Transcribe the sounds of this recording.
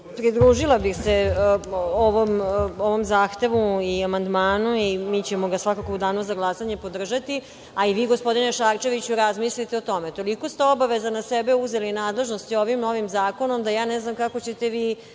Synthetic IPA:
pɾid̪ɾuːʒilabixse | oʋomoʋomzaːxt̪e̞ʋuiamand̪maːnuimiːt͡ɕemoɡasʋakakoud̪aːnuzaɡlˠasaɲe̞po̞d̪r̩ʒat̪i | aiʋiːɡospo̞d̪ineʃaːɾt͡ʃe̞ʋit͡ɕuɾazmislit̪eot̪o̞met̪o̞liko̞st̪eo̞baʋezanasɛbeuzelinaːd̪le̞ʒnost̪io̞ʋimno̞ʋimzaːko̞nomd̪ajaːnɛznamkakot͡ɕe̞t̪eʋiː

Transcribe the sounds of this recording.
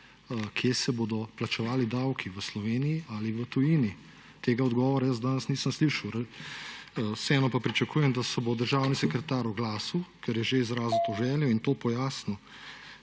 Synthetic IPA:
əkʰjeːsɛboːd̪ɔplat͡ʃɛʋaːlid̪awkʰiʋəslɔʋeːnijːaliʋət̪ujiːni | t̪eːɡaɔd̪ɡɔːʋɔɾajəzd̪aːnəsniːsəmsliːʃɐwɾ | sɛːnɔpapɾit͡ʃakuːjɛmd̪asɛbod̪əɾʒaːwnisɛkɾɛt̪aːɾɔɡlaːsukɛɾjɛʒeizɾaːzut̪oʒɛːljɛint̪oːpɔjaːsnɔ

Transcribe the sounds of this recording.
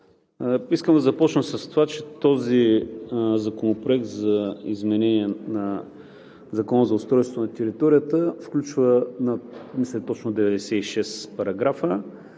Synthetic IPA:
iskəmd̪ɐzɐpɔt͡ʃnəsɐst̪ovat͡ʃɛt̪ɔzi | zɐkonopɾoɛk̚t̪zɐizmɛnɛniɛnɐ | zɐkɔnəzɐʊst̪ɾɔjst̪vonɐt̪ɛɾit̪ɔɾijət̪əfklʲut͡ʃvənɐmislɛt̪ɔt͡ʃnod̪ɛvɛd̪ɛsɛiʃɛspɐɾɐɡɾafə

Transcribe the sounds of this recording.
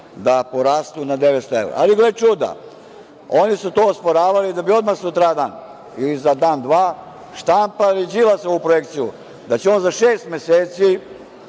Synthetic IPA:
d̪apoɾast̪unad̪eʋest̪oḛwɾa̰a̰liɡlet͡ʃud̪a̰ | onisut̪oːospoɾaːʋalid̪abio̞d̪maxsut̪ɾad̪an | ilizad̪aːnd̪ʋaː | ʃt̪ampalid͡ʑilasoupɾojekt̪siju | d̪at͡ɕeo̞ːnzaʃeːst̪me̞seːt̪si

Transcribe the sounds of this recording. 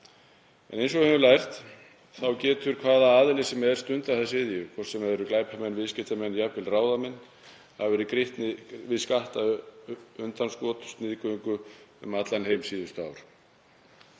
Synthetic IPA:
ɛnejnsɔhɛvʏlajr̥t̪ | θawcɛːt̪ʏɾ̥kʰv̥aːðaaːðɪlɪsɛmɛð̥st̪ʏnt̪aθɛsɪðjʏkʰvɔr̥sɛmɛðɾʏklaːjphamɛnvɪðscɪht̪amɛnːjapɪlraːwðamɛnː | havɛːɾɪkɾɪht̪nɪvɪðskaht̪a | ʏnt̪anskvɔːt̪st̪nɪːðkœŋkʏʏ̰mat̪lanɦejmsiːðʏst̪aːwɾ̥

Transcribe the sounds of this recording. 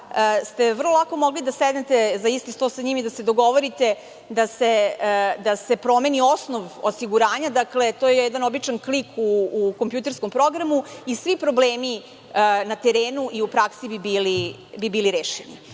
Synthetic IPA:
əst̪e̞ʋr̩lˠolˠako̞moɡlid̪asɛd̪net̪ezaist̪ist̪osaɲimid̪ased̪oɡo̞ʋoɾit̪e̞ | d̪ased̪ase̞pɾo̞me̞nio̞snoʋosiɡuɾaːɲad̪akle̞t̪ojejɛd̪ano̞bit͡ʃanklikʰuːkompjut̪eɾskompɾo̞ɡɾamuisʋipɾo̞bleːmi | ənat̪eɾeːnuʔiupɾaksibibiːli | bibiːliɾeːʃenḭ

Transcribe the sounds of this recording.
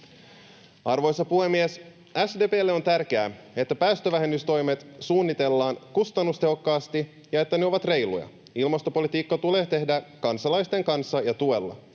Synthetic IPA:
ɑrʋo̞jsːɑpuhe̞mːies | æsde̞ːpeːlːeo̞nt̪ærk̟e̞æe̞t̪ːæpæːst̪øʋæɦe̞mːyst̪o̞jmet̪suːnːit̪e̞lːɑːnkust̪ɑnːust̪e̞ɦo̞kːɑːst̪i | jɑe̞t̪ːæneo̞ʋɑt̪re̞jlṵjɑ̰ | ilmɑst̪o̞po̞lit̪iːkːɑt̪ule̞ːt̪e̞hdækɑnsɑlɑjst̪e̞ŋkɑnsːɑjɑt̪ue̞lːɑ̰

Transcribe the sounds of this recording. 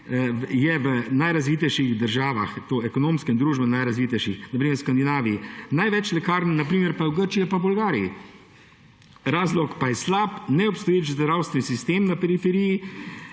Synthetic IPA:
jɛʋənajɾazʋiːt̪ɛjʃiɣd̪əɾʒaːʋa̰xt̪oːɛkɔnoːmskɛnd̪ɾuːʒbɛnajɾazʋiːt̪ɛjʃixnɐpɾiːmɛɾskand̪inaːʋijinajʋɛt͡ʃlɛkaːɾnnapɾiːmɛɾpawɡəɾt͡ʃijɛpabʊlɡaːɾiḭ | ɾaːzlɔkpajɛslaːpnɛɔpst̪ɔjeːt͡ʃzd̪əɾʒaːwst̪ʋɛnisist̪eːmnapɛɾifɛɾiji

